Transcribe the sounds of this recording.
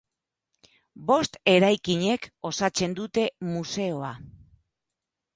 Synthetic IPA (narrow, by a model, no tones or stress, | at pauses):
bo̞st̪e̞ɾajkiɲe̞ko̞sat͡se̞nd̪ut̪e̞muse̞o̞a